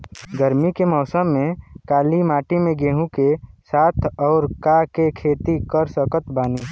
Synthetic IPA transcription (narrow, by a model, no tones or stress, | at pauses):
ɡəɾmikemɔːsəmːẽkaːlimaːʈimẽɡeːɦũkesaːt̪ʰɔːɾkakekʰeːt̪ikəɾsəkət̪baːniː